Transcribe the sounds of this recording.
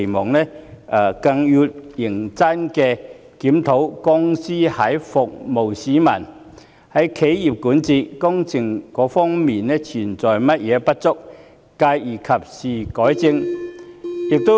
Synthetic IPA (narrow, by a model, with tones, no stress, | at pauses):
mɔː˨˩ŋnɛː˥ʔa˨˧kɐ˧ŋjyː˨t̚jɪ˨˩ŋt͡sa˥nkɛː˧ | kiː˨˥mt̪ʰo˨˥wkʊ˥ŋsiː˥hɐ˨˥jfʊ˨k̚mo˨˩wsiː˨˥mɐ˨˩n | hɐ˨˥jkʰe˨˥jji˨p̚kuː˨˥nt͡siː˨˧kɔ˥ŋt͡sɪ˨˩ŋkɔː˨˥fɔː˥ŋmiː˨nnɛː˥t͡sʰiː˨˩nt͡sɔː˨jmɐ˥t̚jɛː˨˧pɐ˥t̚t͡sʊ˥k̚ | kaː˧jjiː˨˩kʰɐ˨p̚siː˨˩kɔː˨˥jt͡sɪ˧ŋ | jɪ˨k̚t̪o˥